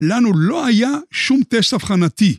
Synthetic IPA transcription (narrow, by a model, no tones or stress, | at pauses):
lanuloajaʃumt̪est̪afχanat̪i